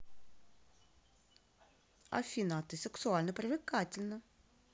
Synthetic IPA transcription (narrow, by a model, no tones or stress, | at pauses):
ɐ̰fʲinat̪ɨsʲɛksualʲnəpɾʲɪvʲɪkatʲɪlʲnə